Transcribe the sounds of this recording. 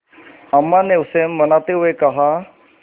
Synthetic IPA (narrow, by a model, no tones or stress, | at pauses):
amːãneʊsemːɐnaːt̪eɦʊekɐɦa